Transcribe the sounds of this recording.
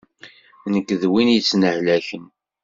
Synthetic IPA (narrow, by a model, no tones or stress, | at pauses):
nəkːðwinjət͡sːnəhlæçən